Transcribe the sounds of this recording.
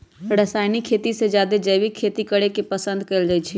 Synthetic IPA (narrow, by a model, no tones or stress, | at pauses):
ɾəsaːɪnikʰːet̪ised͡ʒjaːd̪ed͡ʒəjʋikʰːeːt̪ikəɽekepəsə̃nd̪̚kəɪld͡ʒait͡ʃʰi